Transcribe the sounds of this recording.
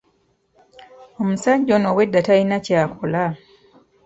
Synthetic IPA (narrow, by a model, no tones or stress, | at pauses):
omusaɟonowedːatainacaːkʰola